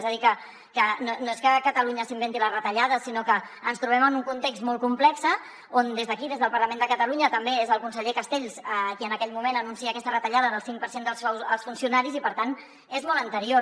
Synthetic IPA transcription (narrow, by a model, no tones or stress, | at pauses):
zəðikə | kənonoeskəkət̪əluɲəsimbɛnt̪ilərət̪əʎaðəsinokəː | nst̪ɾuβ̞ɛmənuŋkunt̪eksmɔlˠkumplɛksə | ond̪ezðəkiðezðəlˠpəɾləmend̪əkət̪əluɲət̪əmbeezəlˠkunsəʎekəst̪eʎsəkiənəkɛʎmumenənunsiəːkɛst̪ərət̪əʎaðəðəlˠsiŋk̚pəɾsend̪əlˠsɛwəlˠsfunsiunaɾizipəɾt̪an | ezmɔlˠənt̪əɾio